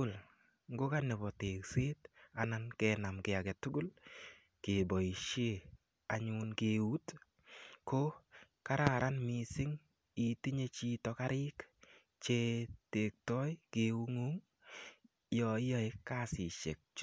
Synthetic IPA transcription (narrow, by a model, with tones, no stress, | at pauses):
ʊ˨l | ŋɡo˦ka˦nɛ˨bɔ˨te˨kse˦ta˨na˦nkɛː˦na˨mkɛ˨a˨kɛ˨tʊ˦ɡʊ˦l | ke˨bɔ˨i˨ʃe˦ | a˨ɲu˦nke˦u˦t | ko˦ | ka˦ɾa˨ɾa˦nmi˨sɪ˦ŋ | i˦ti˦ɲe˦t͡ʃi˦tɔ˨ka˦ɾɪ˦k | t͡ʃe˦te˨k̚tɔ˦jke˨u˦ŋu˦ŋ | jɔ˨ɪ˦jɔ˦e˦kːa˦sɪ˨ʃe˨k̚t͡ʃ